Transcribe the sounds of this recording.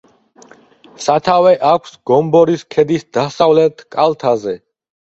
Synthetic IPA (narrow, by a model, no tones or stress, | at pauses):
sat̪ʰawɛʔakʷʰsɡ̥ɔmbɔɾiskʰɛd̪isd̪asavlɛt̪ʰkʼalt̪ʰazɛ